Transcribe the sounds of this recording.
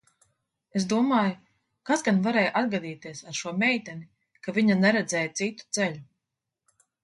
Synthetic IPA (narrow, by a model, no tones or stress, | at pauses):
esd̪uɔmaːja | kazɡanvaɾɛːjʔad̪ɡad̪iːt̪iɛsaɾʃuɔmʲɛjt̪ʲɛni | kaviɲanɛɾɛd̪zɛːjat̪sit̪u̥t̪sɛʎu